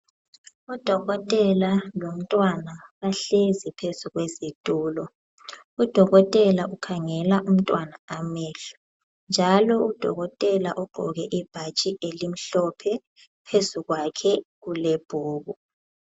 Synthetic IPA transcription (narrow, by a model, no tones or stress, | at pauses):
ud̥ʱɔɣɔtʼɛlalom̩tʼwanaβaɬezɛpʰezuɣwɛzitʼuːlɔ | ud̥ʱɔɣɔtʼɛlaʔukʰaŋɛlaʔum̩tʼwanaamɛːɬu̥ | nd͡ʒʱalɔud̥ʱɔ̰ɣɔtʼɛlaʔuɡ͡ǃʱɔ̰ɣɛʔib̥ʱat͡ʃʼielim̩ɬɔpʰɛ | pʰezuɣwakʰɛɣuleb̥ʱoːβu